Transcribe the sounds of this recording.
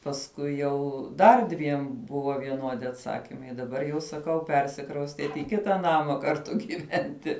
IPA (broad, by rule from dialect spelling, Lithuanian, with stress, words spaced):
pɐsˈkʊɪ jɛʊ ˈdɐr dʲʋʲiɛm ˈbʊʋoː ʋʲiɛˈnuɔdʲɪ ɐtˈsɑːkʲɪmɐɪ dɐˈbɐr jɛʊ sɐˈkɐʊ ˈpʲɛrʲsʲɪkrɐʊsʲtʲiɛt ɪ ˈkʲɪtɐ ˈnɑːmɐ kɐrˈtʊ ɡʲiːˈʋʲɛnʲtʲɪ